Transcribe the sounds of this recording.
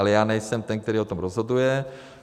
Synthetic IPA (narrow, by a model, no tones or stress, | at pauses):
lɛjaːnɛjsɛmt̪ɛnk̚t̪ɛɾiːot̪omɾozɦod̪ujɛ